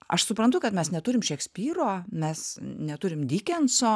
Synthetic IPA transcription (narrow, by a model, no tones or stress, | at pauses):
ɐʃsʊpɾɐnt̪ʊkɐt̪mʲɛsnʲɛt̪ʊɾʲɪmʃʲɛksʲpʲiːɾoːmʲɛsnʲɛt̪ʊɾʲɪmd̪ʲiːkʲɛnsoː